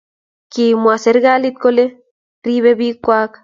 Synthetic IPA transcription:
kimwaseɾɣalit̪̚kole | riβeβikːʷak

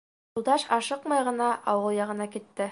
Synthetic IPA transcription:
ulˠd̪ɑʃɑʃɤqmɑjʁɤ̆nɑʔɑwɤlˠjɑʁɤ̆nɑkit̪ːɘ

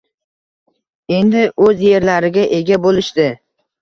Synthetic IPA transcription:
e̞nd̪ɪʔɵzje̞ɾlaɾɪɡʲaʔe̞ɡʲabolɪʃd̪ɪ

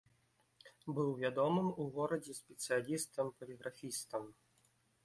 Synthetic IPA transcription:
bɨwvʲad̪ɔmɨmuɣɔɾɐd͡zʲɛsʲpʲɛt̪sɨjalʲist̪ɐmpɐlʲiɣɾʔafʲist̪ɐm

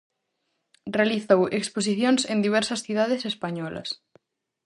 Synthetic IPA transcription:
realiθowekspos̬iθjonsẽnd̪iβ̞ɛɾsɐsθjuð̞aðesespaɲɔlɐ̰s

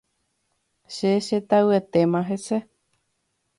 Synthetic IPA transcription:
ʃeʃet̪aɨet̪emãɦese

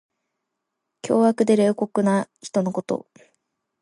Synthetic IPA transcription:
kʲʰo̞ːakɯ̟d̪e̞ɾe̞ːko̞kɯ̟naçi̥t̪o̞no̞ko̞t̪o̞̰

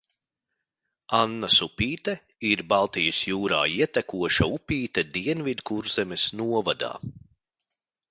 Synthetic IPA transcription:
anːasupʲiːt̪ɛ | iɾbalˠt̪ijɐsjuːɾa̰ːiɛt̪ɛkuɔʃaupʲiːt̪ɛd̪iɛnvid̪kuɾzɛmɛsnuɔvad̪a̰ː

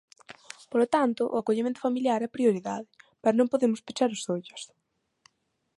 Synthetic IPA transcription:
polot̪ant̪ʊʔʊakoʎimẽnt̪ʊ̥familjaɾɛpɾioɾiðaðɪpɛɾnõmpoðemʊspit͡ʃaɾʊsðoʎʊ̥s

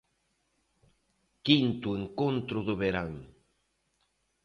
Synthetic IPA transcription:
kint̪ueŋkont̪ɾʊðʊβeɾaŋ

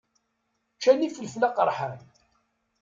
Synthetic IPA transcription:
t͡ʃːæniθəlflaqəɾˤħən

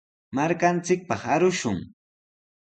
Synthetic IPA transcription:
maɾkant͡sɪk̚pɑχaɾʊʃʊŋ

